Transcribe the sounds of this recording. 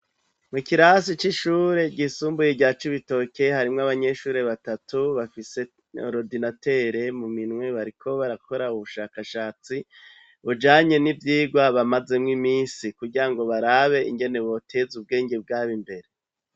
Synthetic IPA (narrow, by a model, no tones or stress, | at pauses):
mukiɾasit͡ʃiʃuːɾe̞ɟisuːmbujeɟat͡ʃiβito̞ke̞haɾimŋaβaɲe̞ʃuːɾe̞βatatuβafise̞̰ | ɾodinate̞ɾe̞muminŋwe̞βaɾikʰo̞βaɾakʰo̞ɾauβuʃaːkaʃaːt͡si | βud͡ʒaːɲe̞nivjiːɡwaβamazemŋimiːsikuɟiɾaŋɡo̞βaɾaːβe̞iŋɡe̞ne̞βo̞tʰe̞zub̚ɡe̞ːŋɡebɡaːβimbe̞ɾe